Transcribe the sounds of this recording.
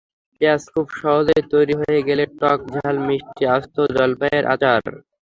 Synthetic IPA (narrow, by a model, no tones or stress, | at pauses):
easkupʃɔɦod̪et̪ojɾiɦojeɡeleʈɔk̚d͡ʑʱalmiʃʈiast̪od͡ʑɔlpaeɾʔa̰t͡ɕaɾ